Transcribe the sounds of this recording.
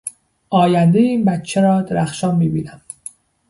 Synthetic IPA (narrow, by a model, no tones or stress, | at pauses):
ʔɒːjænd̪ejeiːnbæt̪t͡ʃʰeɾɒːd̪eɾæxʃɒːnmiːbiːnæm